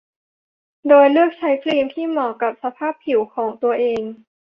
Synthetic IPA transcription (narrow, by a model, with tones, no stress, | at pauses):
doː˧jlɯ˥˩ək̚t͡ɕʰa˦˥jpʰliː˧mt̪ʰiː˥˩mɔː˨˩kːa˨˩p̚sa˧pʰaː˥˩pʰːi˨˩˦wkʰɔː˩˦ŋt̪u˧ɐʔeː˧ŋ